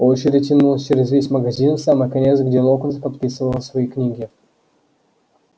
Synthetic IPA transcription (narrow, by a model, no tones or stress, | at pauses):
ot͡ɕɪɾʲɪtʲɪnulˠəsʲt͡ʃeɾʲɪzvʲesʲməɡɐzʲinfsaməjkɐnʲet̪sɡdʲelˠokənzpɐt̪̚pʲisɨvəlˠəsvɐiknʲiɡʲɪ